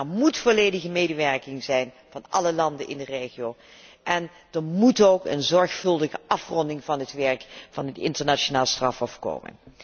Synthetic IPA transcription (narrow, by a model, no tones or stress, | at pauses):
ɛɹmutfoleːjdəɣəmejdəʋɛɹkɪŋzɛjn | v̥ɑnʔɑ̰ləlɑndənɪ̰ndəreːχiow | ʔɛn | d̥əɹmutowkə̰nzɔɹχfɵlˠdəɣəʔɑfrɔndɪŋvɑnɦətʋɛɹkvɑnɦətɪ̰ntəɹnaːonaːlˠstrɑfɦɔfko̰ːmə̰n